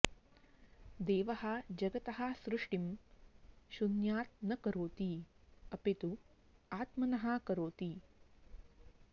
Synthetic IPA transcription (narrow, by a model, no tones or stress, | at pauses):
d̪eːʋɐɦɐ̆d͡ʒɐɡɐt̪ɐɦɐ̆sɾuʂʈim | ʃunjaːt̪̚nɐkɐɾoːt̪iɐpet̪u | aːt̪mɐnɐɦɐ̆kɐɾoːt̪i